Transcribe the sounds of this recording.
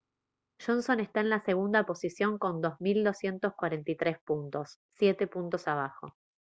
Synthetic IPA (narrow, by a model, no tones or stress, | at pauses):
ʃo̞nso̞nest̪aenlase̞ɣ̞und̪apo̞sisjo̞ŋko̞nd̪o̞zmild̪o̞sje̞nt̪o̞skwaɾent̪ijt̪ɾe̞spunt̪o̞sːje̞t̪e̞punt̪o̞saβ̞axo̞̰